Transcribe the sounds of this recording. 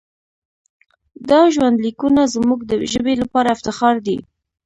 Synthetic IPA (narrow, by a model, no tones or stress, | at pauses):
d̪ɑʒwand̪likunazmuɡd̪əʒəbelapɑɾaɪft̪ɪxɑɾd̪ḭ